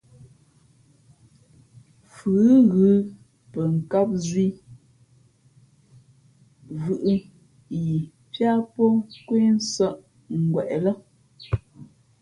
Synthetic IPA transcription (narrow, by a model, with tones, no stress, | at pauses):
fɨ˨˦ɣʉ˨˦ | pə˨ŋ̩˨ka˦p̚zwi˦ | vʉ˨ʔɨ˦ | ji˨ | pja˦pɔ˦kwe˦n̩˦sə˦ʔ | ŋ̩˨ɡwɛ˨ʔlə˦